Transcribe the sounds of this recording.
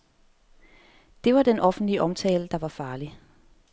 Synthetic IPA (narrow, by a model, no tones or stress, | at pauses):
d̥e̝ʋɑ̈d̥enʔɒ̽fn̩d̥liəʔɒ̽mt͡sʰɛːləd̥ɑ̈ʋɑ̈fɑ̈ːli